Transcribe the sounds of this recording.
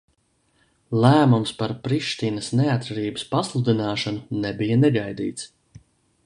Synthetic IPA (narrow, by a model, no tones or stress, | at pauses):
lˠæːmumspaɾpɾiʃt̪iːnɐsneat̪ːɾaɾiːbə̥spaslˠud̪inaːʃanunɛbijanɛɡajd̪ḭːt̪s